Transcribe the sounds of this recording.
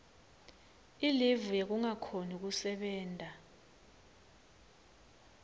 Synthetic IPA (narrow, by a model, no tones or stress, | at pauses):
ilivujek̬uŋakʰonik̬usɛɓɛːntʼa